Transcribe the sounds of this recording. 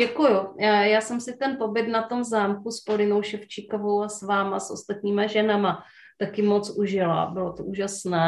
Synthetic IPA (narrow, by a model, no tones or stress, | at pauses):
ɛkujʊjaːsɛmsɪt̪ɛnpo̞bɪt̪nat̪o̞mzaːmkuspoɾɪnowʃɛft͡ʃɪkovowasvaːmasʔo̞̰st̪at̪ɲiːmaʒɛnama | t̪akɪmo̞t͡sʔuʒɪla̰bɪlot̪oʔuːʒasnɛː